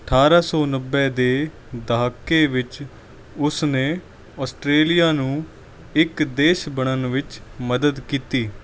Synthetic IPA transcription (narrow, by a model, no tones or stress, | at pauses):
əʈʰaːɾaːsɔːnəbːɛːd̪eː | d̪aɦkːeːʋɪt͡ʃ | ʊsneː | ɔːsʈɾeːlijaːnũː | ɪkd̪eːʃbəɳənʋɪt͡ʃməd̪əd̪kiːt̪iː